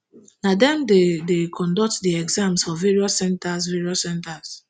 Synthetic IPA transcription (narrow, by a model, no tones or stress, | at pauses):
nadɛ̃mdedekʰɔ̃ndɔk̚tdiɛɡzãmsɔvveɹiɔsːɛ̃ntasviɹiɔsɛ̃ntas